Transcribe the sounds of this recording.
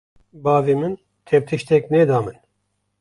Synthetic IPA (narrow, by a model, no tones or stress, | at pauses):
bɑːvemɨn | t̪ʰɛp̚t̪ʰɨʃt̪ɛknɛd̪ɑːmɨn